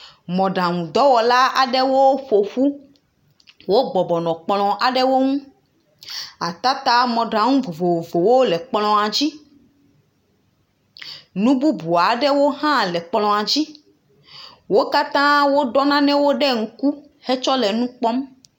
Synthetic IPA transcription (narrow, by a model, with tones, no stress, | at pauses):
mɔ̃˨ɖã˨ŋũ˨d̪ɔ˦wɔ˨la˦a˨ɖɛ˦wo˦ɸo˨ɸu˦ | wo˦ɡ͡bɔ˨bɔ˨nɔ̃˨k͡plɔ̃˨ʔa˨ɖɛ˦wo˦ŋũ˦ | a˨t̪a˦t̪a˦mɔ̃˨ɖa˨ŋũ˦vo˨vo˨o˨vo˨wo˦lɛ˨k͡plɔ̃˨a˨d͡ʑi˦ | nũ˦bu˦bu˨a˨ɖɛ˦wo˦ɦã˦lɛ˨k͡plɔ̃˨a˨d͡ʑi˦ | wo˦ka˦t̪ã˦wo˦ɖɔ˦nã˦nɛ̃˦wo˦ɖɛ˦ŋ̩˨ku˦ | hɛ˦t͡ʃɔ˦lɛ˨nũ˦k͡pɔ˦m